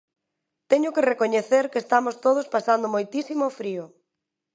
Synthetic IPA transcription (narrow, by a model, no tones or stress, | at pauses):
t̪ɛɲʊkerekoɲeθeɾkeːst̪amost̪oð̞ʊspasand̪ʊmojt̪isimofɾiʊ